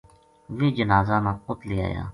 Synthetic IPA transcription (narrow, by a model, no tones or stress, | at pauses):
ʋeːd͡ʒənaːzaːnãːxʊt̪lia̰ːja̰ː